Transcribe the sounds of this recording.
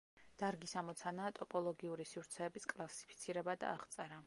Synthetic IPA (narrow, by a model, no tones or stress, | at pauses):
d̪̥aɾɡisamɔt̪sʰanaːt̪ʼɔpʼɔlˠɔɡiuɾisivɾt̪sʰɛːbiskʼlˠasi̥pʰit̪sʰiɾɛbad̪a̰ːʁt̪sʼɛɾa